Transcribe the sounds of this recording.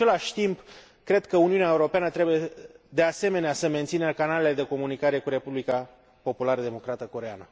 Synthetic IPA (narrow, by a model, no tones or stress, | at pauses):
e̞laʃʲt̪imp | kɾe̞d̪kəuniunae̞uɾo̞peanət̪ɾe̞buje̞d̪e̞ase̞me̞neasəme̞nt̪sinəkanale̞le̞d̪e̞ko̞munikaɾe̞kuɾe̞publika | po̞pulaɾəd̪e̞mo̞kɾat̪əko̞ɾea̰nə